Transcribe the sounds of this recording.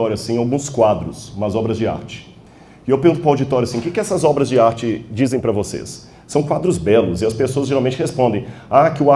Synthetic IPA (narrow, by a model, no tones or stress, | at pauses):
ɔɾjʊasĩawɡũskwad̪ɾʊsmɐzɔbɾɐzd͡ʒɪa̰ɾt͡ʃɪ̥ | ɪewpeɾɡũt̪ʊpɾawd͡ʒit̪ɔɾuasĩʊkɪkɪɛsɐzɔbɾɐzd͡ʒɪaɾt͡ʃɪd͡ʒizẽj̃pɾɐvosḛsː | ɐ̃w̃kwad̪ɾʊzbɛlʊzɪɐspesoɐzʒeɾawmẽnt͡ʃɪhespõnd̪ẽj̃akɪʊa